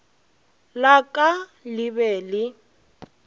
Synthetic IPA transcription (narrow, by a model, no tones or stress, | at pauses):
lakʼalɪbɛːlɪ